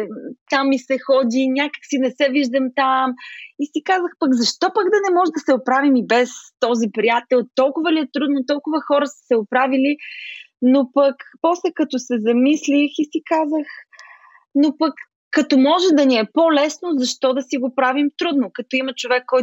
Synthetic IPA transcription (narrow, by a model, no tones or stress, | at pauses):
t̪amisɛxɔd̪inʲakə̥ksinɛsɛviʒd̪ɐmt̪amisikazəxpɐɡzɐʃt̪ɔpəɡd̪ɐnɛmɔʒɛd̪ɐsɛopɾavimibɛst̪ɔzipɾijat̪ɛlˠt̪ɔlˠkʊvəliɛt̪ɾud̪not̪ɔlˠkʊvəxɔɾəsə̥sɛʊpɾavili | nopɐkpɔslɛkɐt̪ɔsɛzɐmislixisikazəx | nopɐkː | ɐt̪ɔmɔʒɛd̪ɐniɛpolɛsnozɐʃt̪ɔd̪ɐsiɡopɾavimt̪ɾud̪nokɐt̪ɔimɐt͡ʃovɛkːɔj